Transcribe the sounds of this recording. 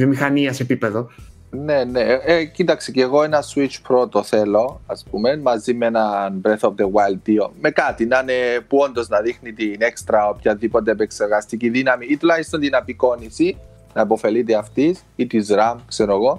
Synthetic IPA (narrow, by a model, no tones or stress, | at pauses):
vjomixɐniɐsepipeðo | neneecit̪ɐkseceːɣo̞enɐswit͡ʃpɾot̪oθelo̞ɐspume̞nmɐzimenɐnbɾeθop̚t̪ewajld̪iomekat̪inanepuond̪oznɐðixnit̪inekst̪ɾɐopçɐðipot̪̬eːpekseɾɣɐst̪iciðinɐmiːt̪ulɐist̪o̞nt̪inɐpiko̞nisi | nɐepo̞fe̞lit̪̬eɐft̪is | it̪izɾamkseɾoɣo̞